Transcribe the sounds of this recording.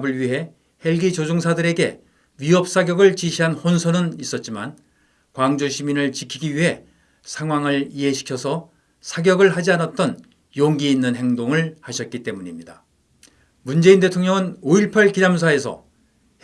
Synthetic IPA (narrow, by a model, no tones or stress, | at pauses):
bɯɭɥiɦe̞ | he̞ɭɡit͡ɕod͡ʑoŋsʰadɯɾe̞ɡe̞̰ | ɥiɦʌp̚s͈aɡjʌɡɯɭt͡ɕiɕʰiɦanhonsʰʌnɯnis͈ʌt̚t͡ɕ͈ima̰n | kwaŋd͡ʑuɕʰiminɯɭt͡ɕikʰiɡiɥiɦe̞ | sʰaŋwaŋɯɭiɦe̞ɕʰi̥kʰjʌsʰʌ | sʰaɡjʌɡɯɭɦad͡ʑianat̚t͈ʌn | joŋɡiːnːɯnɦe̞ŋdoŋɯɭhaɕʰʌt̚k͈it͈e̞muɲimɲida | mund͡ʑe̞inde̞tʰoŋɲʌŋɯnoiɭpʰaɭkinamsʰae̞sʰʌ̰